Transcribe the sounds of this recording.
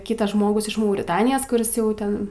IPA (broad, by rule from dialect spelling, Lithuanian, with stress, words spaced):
ˈkʲiːtɐs ˈʒmoːɡʊs ɪʃ mɐʊrʲɪˈtɑːnʲɪjoːs kʊˈrʲɪs ˈjɛʊ ˈtʲɛn